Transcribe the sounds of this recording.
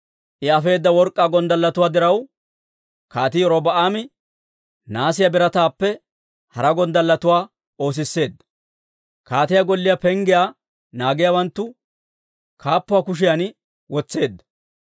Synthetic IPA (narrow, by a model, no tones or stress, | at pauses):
ʔɪɐfe̞ːd̪ːɐwɔɾkʼːaːɡɔnd̪ɐlːɐt̪ʊwaːd̪ɪɾɐw | kaːt̪ɪjɔɾɔbɐʔaːmɪ | naːsɪjɐbɪɾɐt̪aːpːɛ | hɐɾɐɡɔnd̪ɐlːɐt̪ʊwaː | o̞ːs̬ɪsːe̞ːd̪ːɐ̥ | kaːt̪ɪjaɡɔlːɪjɐpɛŋɡɪjaː | naːɡɪjaːwɐnt̪ːʊ | kʰaːpːʊwaːkʊʃ̬ɪjan | wɔt͡sːe̞ːd̪ːɐ̥